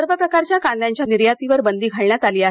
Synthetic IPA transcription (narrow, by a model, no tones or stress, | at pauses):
əɾbəpɾəkaɾt͡ɕjakanljaɲt͡ɕjaniɾjat̪iʋəɾbənd̪iːɡʱaɭɳjat̪aliːaɦ